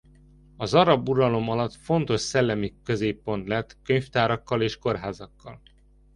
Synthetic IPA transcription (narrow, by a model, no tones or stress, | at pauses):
ɒzɒɾɒbuɾɒlo̞mɒlɒt̪fo̞nt̪o̞ʃsɛlːɛmikø̞zeːpːo̞nt̪lɛt̪køɲft̪aːɾɒkːɒleːʃko̞rɦaːzɒkːɒl